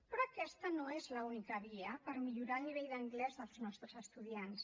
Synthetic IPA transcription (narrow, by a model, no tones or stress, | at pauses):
pɾoːkɛst̪ənoezləunikəβiəpəɾmiʎuɾalˠniβɛjðəŋɡlɛzðəlˠznɔst̪ɾəzəst̪uðjans